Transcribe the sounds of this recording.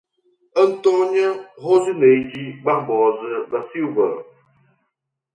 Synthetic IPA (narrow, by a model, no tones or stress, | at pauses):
ən̩tɔɲəɦozɨneid͡ʒiɡ͡baŋbɔzɨbasilvə